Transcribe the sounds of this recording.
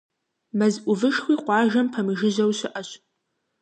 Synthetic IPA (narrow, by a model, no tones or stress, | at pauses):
mɐzʔʷʊvɨʃxʷiːqʷɑːʒɐmpʰɐmɨʒɪʑɐwɕɪʔɐɕ